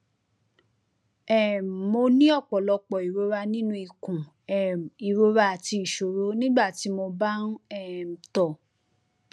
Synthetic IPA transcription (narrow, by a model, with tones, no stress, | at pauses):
ɛ˨mo˧nĩ˦ɔ˦˨k͡pɔ˨lɔ˧k͡pɔ˨i˨ɾo˧˦ɾa˧nĩ˦nũ˦i˧˨kũ˨ | ɛ˨i˨ɾo˧ɾa˧˦a˨ti˧i˨ʃo˨ɾo˨˦nĩ˦ɡ͡ba˦˨ti˨˦mo˧ba˦n˦ɛ˦˨tɔ˦˨